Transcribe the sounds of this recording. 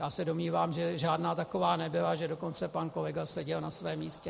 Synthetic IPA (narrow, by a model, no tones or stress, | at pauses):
jaːsɛdo̞mɲiːvaːmʒɛʒaːdnaːt̪ako̞vaːnɛbɪlaʒɛdo̞ko̞nt͡sɛpanko̞lɛɡasɛɟɛlnasvɛːmiːscɛ